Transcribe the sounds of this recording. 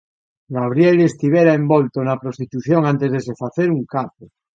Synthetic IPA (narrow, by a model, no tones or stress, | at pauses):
ɡaβ̞ɾjelest̪iβeɾaembolt̪onapɾost̪it̪uθjoŋãnt̪ezðesefaθeɾuŋkapo